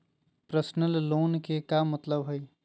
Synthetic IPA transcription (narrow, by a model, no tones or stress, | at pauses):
pɾəsnəlːoːnkekamət̪ləbɦoj